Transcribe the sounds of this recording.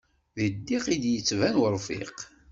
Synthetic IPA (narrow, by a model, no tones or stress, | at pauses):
ðəd̪ːiqid̪jət͡sːvænwəɾˤfɪ̰q